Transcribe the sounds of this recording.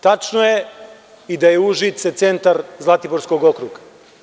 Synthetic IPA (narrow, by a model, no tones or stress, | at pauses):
t̪at͡ʂnoje | id̪ajeuʒit̪set̪se̞nt̪aɾzlˠat̪iboɾsko̞ɡokɾuɡa